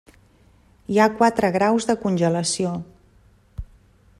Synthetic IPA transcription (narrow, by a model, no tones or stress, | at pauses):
iakwat̪ɾəɣɾawzðəkunʲʒələsio